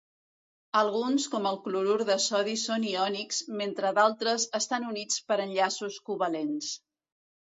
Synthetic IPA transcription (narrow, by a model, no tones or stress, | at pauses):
əlˠɣunskɔməlˠkluɾuɾðəsɔðisoniɔnikzment̪ɾəðalˠt̪ɾəzəst̪anunit͡spəɾənʎasuskuβəlens